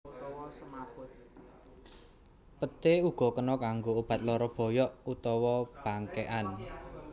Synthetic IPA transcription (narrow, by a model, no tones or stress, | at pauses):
pət̪euɡ̥ɔ̤kənɔkaŋɡoob̥a̤t̪̚lɔɾɔb̥ɔ̤jɔʔut̪ɔwɔb̥a̤ŋkeʔan